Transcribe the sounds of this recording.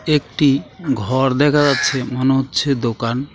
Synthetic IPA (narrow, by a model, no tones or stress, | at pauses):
ekʈiɡʱɔɾd̪ɛkʰad͡ʑatːɕʰemoneɦotːɕʰed̪okan